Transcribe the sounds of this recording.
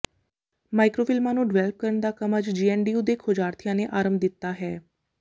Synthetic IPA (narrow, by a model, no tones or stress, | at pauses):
maːɪkɾoːpʰɪlmãːnũːɖɪʋɛːlp̚kəɾəɳd̪aːkəməd͡ʒd͡ʒiːɛːnɖiːuːd̪eːkʰod͡ʒaːɾt̪ʰɪjãːneːʔaːɾəmbd̪ɪt̪ːaːɦɛː